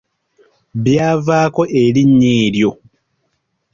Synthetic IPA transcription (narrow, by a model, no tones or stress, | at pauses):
βjaːvaːko̞ʔeliɲːeːɾjo̞